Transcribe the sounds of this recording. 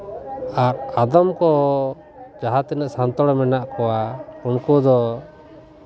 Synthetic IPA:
aɾad̪ɔmkɔ | d͡ʒaɦat̪ɛnəʔsant̪ɔɽɔmɛnaʔkɔwaumkud̪ɔ

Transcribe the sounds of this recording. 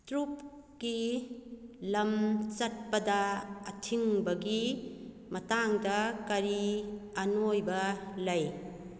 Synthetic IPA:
tɾup̚ | ki | lɐmt͡ʃɐt̚pɐdɐːtʰiŋbɐɡi | mɐtaŋdɐkɐɾiɐnojbɐlɐj

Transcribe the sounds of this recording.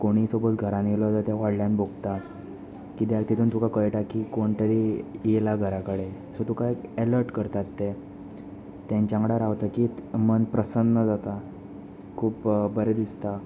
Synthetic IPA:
koɽ̃iːsobət͡s̪ɡʱəɾãnelɔd͡zat̪aʋaɽljanbʱoɡt̪a | kit̪jat̪it̪ʰuːnt̪ʰukakəjʈakikoɳʈəɾijelaɡʱəɾakəɽe | sot̪ukaekeləɾʈkəɾt̪at̪ːe | t̪ãɲt͡ɕãŋɡɽaɾaʋt̪akiːt̪mənpɾəsənːəd͡zat̪a | kʰuːpbəɾed̪ist̪a

